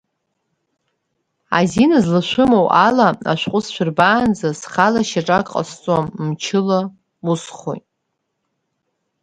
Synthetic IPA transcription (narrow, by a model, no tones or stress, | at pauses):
a̰zinazlɨʃʷʊmowʔalaa̰ʃʷqʷʼʊsʃʷᶣʊrbaːnd͡zasχalaʃaʈ͡ʂʼakʼqʼa̰st͡sʷʼammt͡ʃʰɪla | usχo̰jtʼ